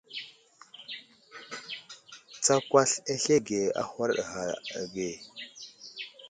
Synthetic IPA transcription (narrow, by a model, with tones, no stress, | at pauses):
t͡sa˨kʷa˦ɬe˦ɬe˦ɡe˨a̰˨xʷa˦ɾɗɣa˨ɡe˨